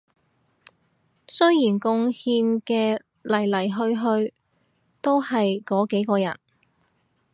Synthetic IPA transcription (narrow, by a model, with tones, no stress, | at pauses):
sɵ˥ɥjiː˨˩nkʊ˧ŋhiː˧nkɛː˧ | lɐ˨˩jlɐ˨˩jɦɵ˧ɥɦɵ˧ɥ | t̪o˥whɐ˨jkɔː˨˥ke˨˥jkɔː˧jɐ̰˨˩n